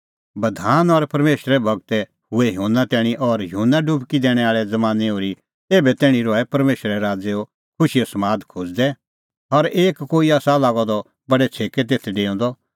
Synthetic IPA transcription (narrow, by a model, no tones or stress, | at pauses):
bɐd̪ʱaːnɔɾpɐɾmeːʃɾɛbʱɐɡt̪ɛ | hʊɛɦoːnːat̪ɛːɽ̃iʔɔɾjoːnːaɖʊbkid̪ɛːɽ̃ɛaːɭɛd͡zɐmãːneoːɾi | eːbɛt̪ɛːɽ̃ĩɾɔɛpɐɾmeːʃɾɛɾaːd͡zeo | kʰʊʃiɐsɐmaːd̪kʰʊd͡zd̪ɛ | ɔɾeːkːoːiaːsalaːɡɔd̪ɔ | bɐɖɛt͡sʰeːket̪̬eːt̪ʰɛɖeːɔ̃nd̪ɔ